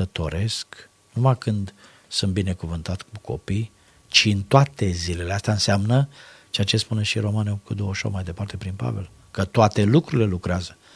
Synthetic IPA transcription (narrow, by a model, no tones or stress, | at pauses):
ət̪o̞ɾe̞sk | numakɨnd̪ | sunt̪bine̞kuvɨnt̪at̪skukʰo̞̰pij | t͡ʃiɨnt̪oat̪e̞zile̞least̪aɨnseamnət͡ʃeat͡ʃe̞spuneʃiɾo̞manowfkut̪d̪owəʃo̰majd̪e̞part̪e̞pɾinpa̰ve̞̰l | kət̪oat̪e̞lukɾuɾile̞lukɾeazə